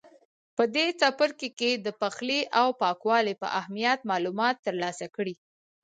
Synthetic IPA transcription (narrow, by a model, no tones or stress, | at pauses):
pəd̪et͡sapəɾkeked̪əpaxleʔawpɑkwɑlepə̰ʔahmijat̪̚mɑlumɑt̪ːəɾlɑsakɽi